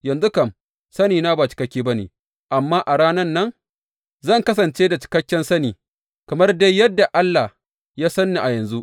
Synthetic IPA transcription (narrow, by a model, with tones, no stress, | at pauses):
jɐ˨nzʊ˦kɐ˨m | sɐ˦niː˨naː˦baː˨t͡ʃɪ̥˨kɐ˦kʲiː˦bɐ˦nḛː˨ | ʔa˨mːaː˦ʔa˨ɽaː˦nɐ˦nːɐ˦ŋ | zɐ˦˨ŋkɐ˦s̬ɐ˨nt͡ʃe˦da˨t͡ʃɪ̥˨kɐ˦kʲːɛ˦nsɐ˦niː˨ | kɐ˨mɐ˦rde˦jjɐ˦dːa˨ʔa˦lːa˨h | jaː˦sɐ˦nːiː˨ʔa˨jɐ˨nzu˦ʔ